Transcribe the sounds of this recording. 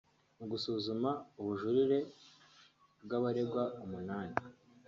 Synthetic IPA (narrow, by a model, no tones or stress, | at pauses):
uɡusuːzumauβuʒuɾiɾe̞ | bɡaβaɾe̞bɡwaumunaːni